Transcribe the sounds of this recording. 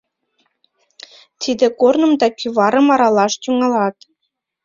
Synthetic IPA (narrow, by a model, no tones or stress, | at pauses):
t̪ʲʰid̪ʲɘ̆kornɤ̆md̪ɑkʲyvɑɾɤ̆mɑɾɑlˠɑʃt̪ʲuŋɑlˠɑt̪